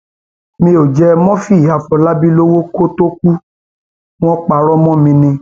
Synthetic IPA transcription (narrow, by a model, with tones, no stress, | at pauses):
mĩ˧˦o˨d͡ʒɛ˧mɔ̃˦fi˦˨a˨fɔ˨la˦bi˦lo˦wo˦ko˦to˦ku˦ | w̃ɔ̃˦k͡pa˨ɾɔ˦mɔ̃˦mĩ˧nĩ˧